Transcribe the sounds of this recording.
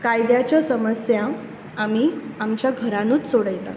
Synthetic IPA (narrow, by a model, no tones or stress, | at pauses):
kajd̪jat͡ɕjasəməsjã | amiːamt͡ɕjaɡʱəɾãnuːt͡ssoɽəjla̰